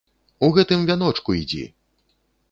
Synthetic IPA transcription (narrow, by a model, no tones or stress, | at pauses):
uɣɛt̪ɨmvʲanɔt͡ʂkuid͡zʲḭ